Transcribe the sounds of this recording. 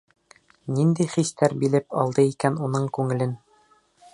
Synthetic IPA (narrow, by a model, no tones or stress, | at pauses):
nind̪ijχist̪æɾbilɘpɒ̰lˠd̪ɤikænunɤɴkʉŋɘ̆lɘn